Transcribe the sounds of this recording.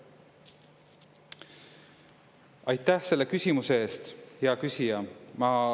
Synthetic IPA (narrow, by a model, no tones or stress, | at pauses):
ɑjt̪ːˑæhse̞lːe̞kysʲimusee̞ːst̪heɑkysʲijɑmɑ